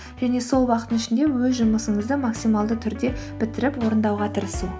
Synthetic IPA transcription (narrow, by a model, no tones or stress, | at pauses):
ʒ̥æne̞so̞lˠwɑqət̪ənɪʃɪnd̪e̞wɵzʒʊməsəɴəzd̪əmɑksijmɑlˠd̪ət̪ʰʏɾd̪e̞bɪt̪ɪɾɪpwo̞ɾənd̪ɑwʁɑt̪ʰəɾəsu